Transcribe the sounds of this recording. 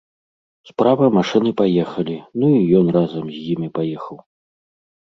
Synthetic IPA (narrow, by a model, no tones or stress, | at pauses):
spɾavɐmaʂɨnɨpajɛxɐlʲinuijɔnrazɐmzʲjimʲipajɛxɐw